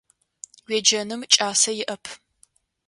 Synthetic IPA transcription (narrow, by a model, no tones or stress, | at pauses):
wɛd͡ʒɐnɨmt͡ʃʼaːsɐjɪʔɐpʰ